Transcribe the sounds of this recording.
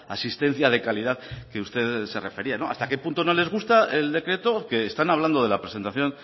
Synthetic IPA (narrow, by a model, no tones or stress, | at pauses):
a̰sist̪e̞n̟θjaðe̞kaliðaðke̞ust̪e̞ðse̞re̞fe̞ɾiano̞a̰st̪ake̞punt̪o̞no̞le̞zɣ̞ust̪ae̞ld̪e̞kɾe̞t̪o̞ke̞ːst̪anaβland̪o̞ð̞e̞lapɾe̞se̞nt̪aθjo̞n